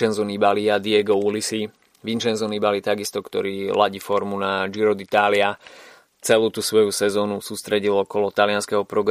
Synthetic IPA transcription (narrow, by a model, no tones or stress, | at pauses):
ɛnzɔnibaliad̪iɛɡɔulisi | ʋinʃɛnzɔnibaliːt̪aɡist̪ɔkt̪ɔɾiːlaɟifɔɾmunad͡ʒiɾɔd̪it̪aːlɪa | t͡sɛluːt̪usʋɔjusɛzɔːnusuːst̪ɾɛɟilɔkɔlɔt̪alɪanskɛɦɔpɾɔɡɾ